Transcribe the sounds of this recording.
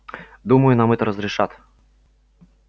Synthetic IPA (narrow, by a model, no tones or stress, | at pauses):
d̪uməjʊnamɛt̪əɾəzɾʲɪʂat̪